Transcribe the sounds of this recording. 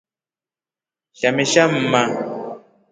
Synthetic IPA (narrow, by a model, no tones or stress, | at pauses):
ʃamɛʃam̩ma